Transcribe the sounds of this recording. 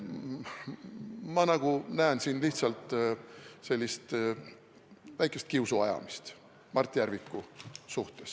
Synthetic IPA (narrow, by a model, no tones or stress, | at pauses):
mɑnɑɡ̥unæensinliht̪sɑlt̪ˑ | se̞lʲːist̪ | væjkˑest̪kiuwsuɑjɑ̰mist̪ | mɑrt̪ːˑijæɾvikːˑusuht̪e̞s